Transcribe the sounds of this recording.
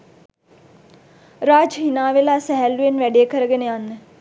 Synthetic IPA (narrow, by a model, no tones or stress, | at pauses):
ɾaːd͡ʒɦinaːʋelaːsæɦælːujenʋæɖejːkəɾəɡenəjanːə